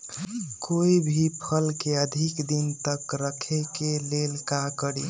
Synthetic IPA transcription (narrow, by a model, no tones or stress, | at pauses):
koibʱipʰəlkeəd̪ʱikd̪int̪əkɾəkʰekelelkakəɽi